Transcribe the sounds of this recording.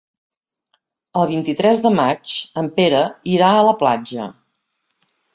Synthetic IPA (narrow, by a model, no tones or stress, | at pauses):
əlˠβint̪it̪ɾɛzðəmat͡ʃəmpeɾəiɾaələplad͡ʒə̰